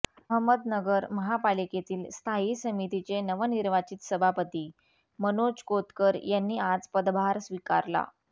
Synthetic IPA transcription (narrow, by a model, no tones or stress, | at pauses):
ɦəməd̪nəɡəɾməɦapaliket̪iːlst̪ʰaɦisəmit̪it͡senəʋəniɾʋat͡ɕit̪səbʱapət̪iː | mənod͡ʑkot̪kəɾjanːiːʔad͡zpəd̪bʱaɾsʋika̰ɾla̰